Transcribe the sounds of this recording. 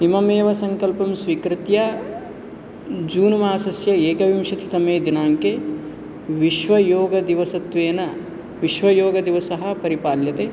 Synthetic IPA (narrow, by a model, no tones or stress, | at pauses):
imɐmeːʋɐsɐŋkɐlpɐmsʋiːkɾit̪ja | d͡ʒuːnumaːsɐsjɐeːkɐʋimʂɐt̪i̥t̪ɐmeːd̪inaːŋke | ʋiʃʋɐjoːɡɐd̪iʋɐsɐt̪ʋeːnɐ | ʋiʃʋɐjoːɡɐd̪iʋɐsɐɦɐ̆pɐɾipaːljɐt̪e